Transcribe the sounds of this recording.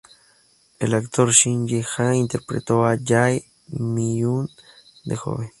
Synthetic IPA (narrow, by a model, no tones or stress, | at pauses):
elakt̪oɾʃinjexaint̪eɾpɾet̪oajaj | mijun | d̪exo̰βe